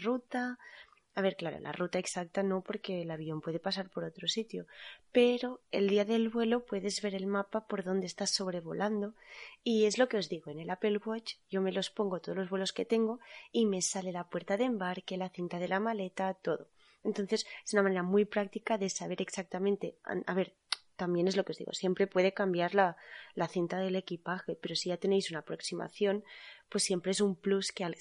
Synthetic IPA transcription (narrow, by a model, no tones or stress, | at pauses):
rut̪a | aβe̞ɾklaɾo̰la̰rut̪aeksak̚t̪ano̞po̞ɾke̞laβjio̞mpwe̞ðe̞pasaɾpo̞ɾo̞t̪ɾo̞sit̪jope̞ɾo̞e̞̰ld̪iaðe̞lβwe̞lopwe̞ðe̞zβe̞ɾe̞lmapapo̞ɾðo̞nd̪est̪asːo̞βɾe̞βo̞̰lʔand̪o̞ie̞zlo̞ke̞o̞zðiɣ̞o̞ene̞lape̞lɣwot͡ʃʝo̞me̞lo̞spo̞ŋɡo̞t̪oðloβwe̞lo̞ske̞t̪e̞ŋɡo̞ime̞sale̞lapwe̞ɾt̪aðembaɾke̞laθint̪aðe̞lamale̞t̪at̪o̞ðo̞ | e̞nt̪o̞nθe̞sesunamane̞ɾamujpɾak̚t̪ikaðe̞saβe̞ɾe̞ksak̚t̪amẽnt̪e̞̰a̰βe̞ɾ | t̪ambje̞ne̞zlo̞keozðḭɣo̞̰sje̞mpɾe̞pwe̞ð̞e̞kambjaɾlalaθint̪aðe̞le̞kipaxe̞pe̞ɾo̞siʝat̪e̞ne̞jsunaːpɾo̞ksima̰θjo̞npwe̞sːje̞mpɾe̞esumpluskeal